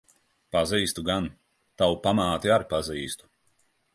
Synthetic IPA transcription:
paziːst̪uɡan | t̪awpamaːt̪iaɾpaziːst̪u̥

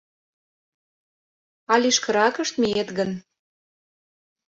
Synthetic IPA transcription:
ɑlʲiʃkə̆ɾɑkə̆ʃt̪miet̪ɡən

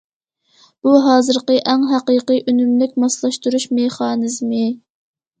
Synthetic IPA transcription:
b̥uɦɑːzɨɾqəʔæŋɦæqiqiʔynymlykʲmɑslˠɑʃt̪uɾuʃmeχɑːnɨzmɨ

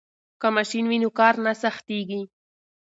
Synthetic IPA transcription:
kamaʃinwinokɑɾnasaxt̪eɡi

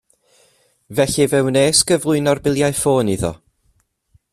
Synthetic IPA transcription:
vɛɬivɛwneːskəvlˠʊɨnɔrbɪlˠjajfoːniðɔ̰

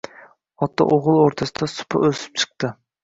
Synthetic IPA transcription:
ɒt̪ʰːa̰ʔoʁɨlˠoɾt̪ʰasɪd̪asʊ̥pʰa̰ʔɵsɪ̥p̚t͡ʃʰɨ̥q̚t̪ɨ

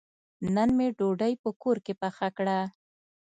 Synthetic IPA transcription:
nənmeɖoɖajpəkoɾkepaxakɽa

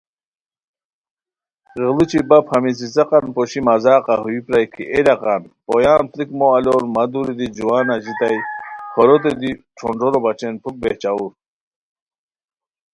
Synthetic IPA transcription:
ʁəlit͡ɕʰibaphamis̬isɐqɑnpɔɕimazaːqaɦuipɾajkʰḭʔelaqɑnpojaːnt̪ɾikmoaloɾmad̪uɾid̪id͡ʑuwaːnad͡ʑit̪ajpʰɔɾot̪̬ed̪iʈ͡ʂʰoɳɖ͡ʐoɾobat͡ɕenpʰuk̚beht͡ɕauɾ

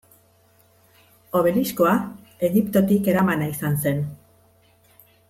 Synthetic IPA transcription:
o̞β̞e̞lisko̞a | e̞ɣipt̪o̞t̪ike̞ɾamanaisanse̞n

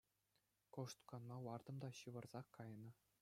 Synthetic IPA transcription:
koʂt̪kɑnmɑwɑrd̪ɤ̆md̪ɑɕɯʋɤ̆rz̥ɑkːɑjnɤ̆

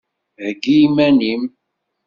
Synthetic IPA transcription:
həɡimænim

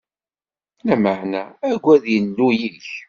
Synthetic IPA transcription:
læməʕnææɡʷːæðjənːujiç

